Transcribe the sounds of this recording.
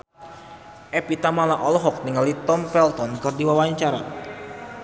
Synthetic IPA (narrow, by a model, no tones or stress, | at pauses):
ʔɛpit̪amalaʔɔlɔɦɔk̚niŋalit̪ɔmpɛlt̪ɔnkɨrdiwawaɲt͡ʃaɾa̰